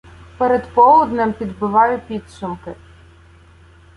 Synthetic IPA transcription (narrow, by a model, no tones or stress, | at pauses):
pɛɾed̪pɔlˠʊd̪nɪmpʲid̪bɪʋɑjʊpʲid̪sʊmkɪ